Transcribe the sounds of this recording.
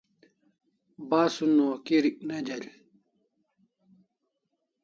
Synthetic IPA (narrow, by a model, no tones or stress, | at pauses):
baːsunuɐkiɾik̚nɐd͡ʑɐʎ